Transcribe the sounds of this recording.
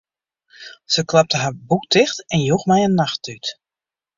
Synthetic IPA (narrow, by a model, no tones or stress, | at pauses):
səklap̚təɦaɹbuk̚dɪxtɛnjuxmɛjənːaxtyt